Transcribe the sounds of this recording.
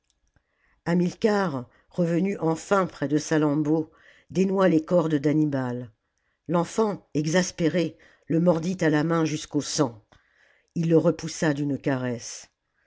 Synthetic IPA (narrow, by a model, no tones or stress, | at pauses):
amilkaʁ | ʁəvənyʔɑ̃fɛ̃pχɛd̪əsalɑ̃bo | d̪enwalekɔʁd̪d̪animalː | ɑ̃fɑ̃ɛɡzaspeʁe | ləmɔʁd̪it̪alamɛ̃ʒyskosɑ̃ | ilːəʁəpusad̪ynkaʁɛs